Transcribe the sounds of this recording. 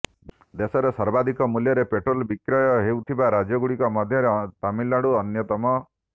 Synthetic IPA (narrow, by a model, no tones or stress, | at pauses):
d̪esɔɾesɔɾbad̪ʱikɔmuljɔɾepeʈɾolbikɾɔjɔɦewt̪ʰibaɾad͡ʒjɔɡuɽikɔmɔd̪ʱjɔɾet̪amilːaɽuɔnjɔt̪ɔmɔ